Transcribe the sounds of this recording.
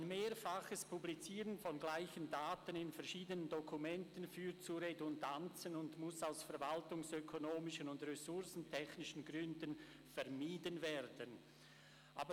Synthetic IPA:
nmeːɾfaχəspublit͡siːʁənfɔnɡlaɪçəndaːtənɪnfɛɐʁʃiːdənəndokʰumɛntənfyːtt͡suɾedʊndant͡sənʊndmʊsaʊsfɛɐɾvaltʊŋsøkʰonoːmɪʃənʊndʁɛsʊɾsn̩tʰɛçnɪʃənɡʁʏndən | fɛɐmiːdənvɛːɾdən | ʔaːbə

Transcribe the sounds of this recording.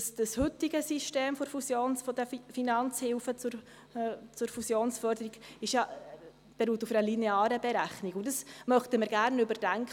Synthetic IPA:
sd̥əshʏtiɡəsiʃteːmfoɾfusjoːnsfɔdɛfinɑnt͡shɪlfət͡sʊɾ | t͡sʊɾfusjoːnsfœɾdəɾiɡɪʃjɑ | b̥ɛɾuːtufəəlinɛɑːɾəbɛɾæχnikʊndɑsmœχtəməɾɡæɾnʏbəɾd̥æŋk

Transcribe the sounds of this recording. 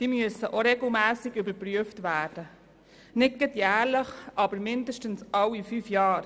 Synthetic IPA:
d̥iːmyəsəʔoɾeɡl̩mæːsɪɡybəɾpɾyəftʋæːd̥ə | nɪt̚ɡətjæːɾləχʔɑbəɾmɪndəʃtənsɑwifyfjɑːɾ

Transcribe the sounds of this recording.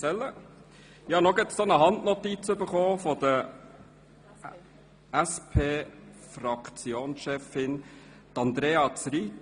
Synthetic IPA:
ɛlːə | jɑnoɡɪtsd̥onəɦɑndnɔt̪it͡søbəχoːfɔd̥̪ə | æspʰeːfrɑkt͡sjoːnsʃɛfɪn | t̪ɑnd̪ɾeːɑt͡sɾi

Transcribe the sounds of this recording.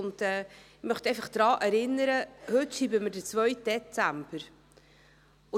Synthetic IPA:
ʊntɛː | mœχt̪ɛɪfɑχd̪̥ɾɑːʔɛɾɪnːəɾəhɵtʃiːbəməɾdət͡svœɥt̚d̥ɛt͡sæmb̥əɾ | ʊ

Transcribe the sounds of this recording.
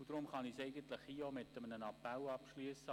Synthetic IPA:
ud̪̥ɾʊmχɑnisɛɪɡənt̪ləχiːomɪt̪əmənənɑpælɑpʃlyəsə

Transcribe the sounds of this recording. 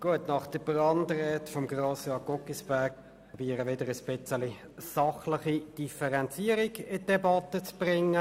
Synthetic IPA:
ɡ̥uətnɑχd̥əbrɑndrɛːtfɔmɡʁoːsjɑːɡ̥ɔkisb̥æɐɡ̚p | biːəɾəʋɪdəɾəspɪt͡səli | sɑχlɪχid̥ifəʁɛnt͡siːəɾiɡɪd̥ɛbɑt̪ət͡sb̥rɪŋːə

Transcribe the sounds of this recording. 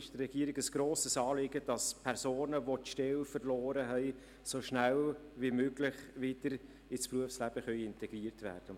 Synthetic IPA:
ɪʃdrɛɡ̥iːəɾɪɡəsɡ̥ɾoːsəsɑːlɪɡəd̥ɑspʰɛɾsoːnəvotʃtɛlfərlɔːɾəɦɛɪ | soʃnælviːmøːɡlɪχʋɪd̥əɾ | ɪspruəfslæb̥əχœʏɪntʰɛɡ̥riːəɾtvæ̰ːɾd̥ə

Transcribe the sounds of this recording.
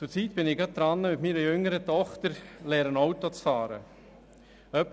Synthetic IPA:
t͡sʊɾt͡siːt̪b̥ɪnɪɡɑt̪̚d̥̪ɾɑnːəmɪt̪miːɾəjʏŋəɾət̪ɔχt̪əɾlɛːɾənɔwt̪ot͡sfɑːɾə̰ | œp

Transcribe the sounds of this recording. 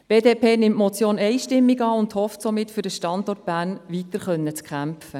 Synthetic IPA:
b̥eːdeːpʰeːnɪmtmɔt͡sjoːnɛɪʃtɪmːiɡɑːʊndhɔftsomɪtfyɾd̥əʃtɑndɔrt̚b̥æːnʋitəɾχœnːət͡skʰχæmfə

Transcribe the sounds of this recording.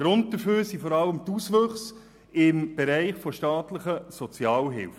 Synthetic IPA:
ɡ̥ɾʊnd̚d̥əføːɾsifɔɾɑləmt̪usʋøχs | ɪmb̥ɛɾæɪχfoʃtɑːtləχəsɔt͡sjɑːlɦɪ̰lfə

